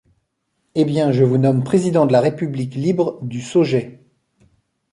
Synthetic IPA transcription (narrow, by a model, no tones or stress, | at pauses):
ebjɛ̃ʒəvunɔmpχezid̪ɑ̃d̪əlaʁepybliklibʁəd̪ysoʒɛ